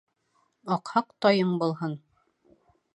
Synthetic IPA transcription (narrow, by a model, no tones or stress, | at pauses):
ɑqhɑqt̪ɒjɤɴbulˠɦɤn